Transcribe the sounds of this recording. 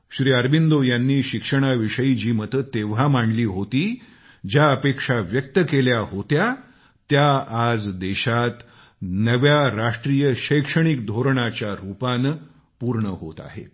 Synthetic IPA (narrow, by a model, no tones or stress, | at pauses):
ɕɾiːəɾbind̪ojanːiːɕikʂəɽ̃aʋiʂəit͡ɕiːmət̪ət̪eʋ̤amaɳɖliːɦot̪iː | d͡ʑjaəpekʂaʋjək̚t̪əkeljahot̪ja | t̪jaːd͡zd̪eɕat̪ | nəʋjaɾaʂʈɾijəɕəjkʂəɽ̃ik̚d̪ʱoɾɳat͡ɕjaɾupan | puɾɳəɦot̪a̰ɦḛ